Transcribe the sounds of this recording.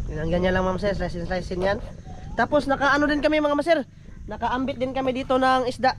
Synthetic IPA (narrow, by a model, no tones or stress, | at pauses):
ɡɪnaŋɡaɲːalaŋmɐamɐs̬ɛɾsɾajsɪnsɾajsɪnjant̪aːposnɐkaʔɐnod̪ɪnkɐmɪmɐŋamɐsɛɾ | nɐkaʔambɪt̪̚d̪ɪnkɐmɪd̪iːt̪onaŋɪsd̪aʔ